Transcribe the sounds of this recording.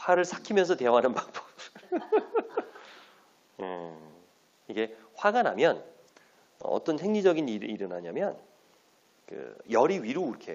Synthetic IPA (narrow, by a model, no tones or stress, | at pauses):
ɸwaɾɯɭsʰḁkʰimjʌnsʰʌte̞ʌɦanɯnpakp͈ʌ̥p | ɯ | iɡe̞ | ɸwaɡanamjʌn | ʌ̰ʌ̰t͈ʌnhe̞ŋɲid͡ʑʌɡiniɾiɾɯnɦaɲamjʌn | kɯ̰jʌɾiɥiɾoiɾʌkʰe̞̰